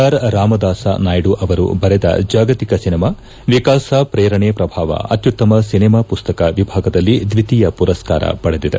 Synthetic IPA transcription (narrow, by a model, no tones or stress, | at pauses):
aːɾɾaːmɐd̪aːsa̰naːjɽuʔɐʋɐɾṵbɐɾed̪ɐ̰d͡ʒaːɡɐt̪ikɐsinimaː | ʋikaːsapɾeːɾɐɳepɾɐbʱaːʋɐ̰ɐ̰t̪jut̪ːɐmɐsinimaːpust̪ɐkɐʋibʱaːɡɐd̪ɐlːid̪ʋit̪ijɐpuɾɐska̰ːɾɐ̰pɐɽed̪id̪e